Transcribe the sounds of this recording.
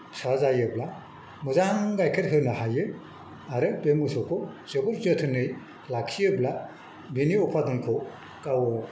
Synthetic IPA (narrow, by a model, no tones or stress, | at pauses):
sazajɯbla | muzaŋɡajkʰɯɾɦɯnahajɯ | aɾɯbemɯsɔkʰɔzɔbɔɾzɔtʰɯnɯj | lakʰijɯbla | biniɔpʰadɯnkʰɔ | kawɯ